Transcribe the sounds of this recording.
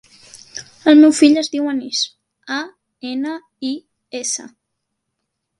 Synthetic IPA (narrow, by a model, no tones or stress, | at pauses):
əlˠmewfiʎəzðiwənis | a | enə | i | esə̰